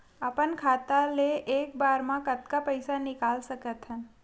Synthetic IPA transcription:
apəɳkʰat̪aleʔek̚baɾmãkət̪kapəjsanɪkalʃəket̪ʰa

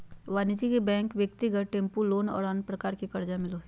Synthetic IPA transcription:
ʋaːnid͡ʒikebɛ̃ːŋkʋjək̚t̪iɡəʈʈẽːmpuloːnɔ̰ːɾaːnpɾɐkaːɾkikɐɾd͡ʒamɪlo

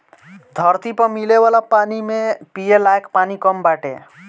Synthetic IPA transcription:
d̪ʱəɾt̪ipəmileʋaːlapaːnimẽpijelaekpaːnikəmbaːʈḛ

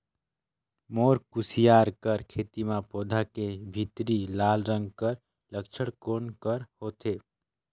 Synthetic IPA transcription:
moːɾkusijaːɾkəɾkʰeːt̪imãpoːd̪ʱakebʱit̪ɾilaːlɾə̃ŋɡ̚kəɾ | ləkt͡ʃʰəɽkoːnkəɾhoːt̪e

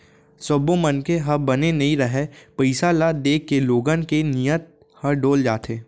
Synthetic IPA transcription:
sobõmənkeɦɐbɐnenɐɦĩɾɐɦepəɪsalad̪eːkːeloːɡənkenijət̪̚ | hɐɾɖoːld͡ʒaːt̪ʰeː

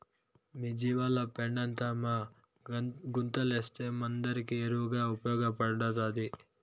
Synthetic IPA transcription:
miːd͡ʒiːʋaːlɐpeɳɖɐnt̪aːma | ɡunt̪ɐleːst̪eːmɐnd̪ɐɾikieɾuʋɡaːupɐjɔːɡɐpɐɽɐt̪aːd̪i

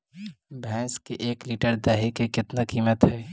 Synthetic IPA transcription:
bʱɛ̃ːskiʔeːkliːʈəɾd̪ɛɦikekɪt̪nakiːmət̪ɦɛː

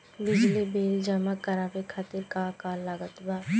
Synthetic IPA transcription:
bɪd͡ʒlibeːld͡ʒəmakɐɾaːbekʰat̪ɪɾkakaːlːaɡət̪baː

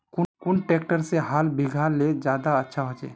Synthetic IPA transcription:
kʊkʊnʈeːkʈəɾseɦaːlbʱiɡʱaled͡ʒjaːd̪aətːʃʰaɦod͡ʒḛː

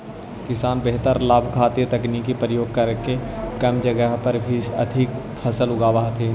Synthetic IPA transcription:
kɪsaːnbeɦt̪əɾlaːbʱkʰaːt̪ijət̪ɐkniːkipɾəjoːɡ̚kɐɾkekɐmd͡ʒəɡəɦpəɾbʱiɐ̰d̪ʱik | pʰɐsəlʊɡaːbaːɦt̪ʰeː

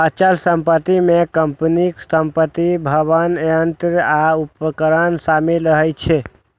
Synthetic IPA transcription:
ət͡ʃəlsəmpət̪imekəmpniksəmpət̪ibʱəβənənt̪ɾəaupəkəɾənsamilɾəɦɛjt͡ʃʰɛ

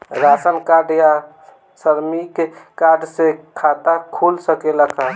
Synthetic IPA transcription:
ɾasənkaɖja | səɾmikekaɖsekʰat̪akʰulsəkeləkʰa

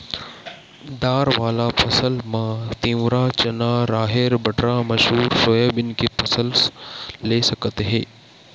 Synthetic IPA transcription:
d̪aːɾʋaːlapʰɐsəlmãːt̪ĩːwɾat͡ʃɐnaːɾaːɦeɾbɐʈɾamɐʃɦuːɾsoːjaːbɪnkepʰɐsəl | leːsɐkt̪ɦɛ̃ː

